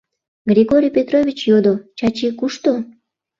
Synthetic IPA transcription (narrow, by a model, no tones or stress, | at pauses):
ɡrʲiɣoɾʲijpʲet̪rovʲit͡ɕjod̪ot͡ɕɑt͡ɕikuʃt̪o